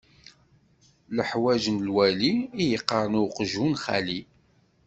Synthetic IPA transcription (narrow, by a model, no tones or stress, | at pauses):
ləħwæʒənlwæliːjəqːəɾˤnʊqʒunχæ̰li